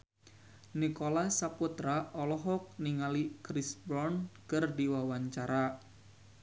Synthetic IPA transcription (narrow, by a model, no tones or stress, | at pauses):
nikolasaput̪ɾaɔlɔɦɔk̚niŋalikɾisbɾɔnkɨrdiwawaɲt͡ʃaɾa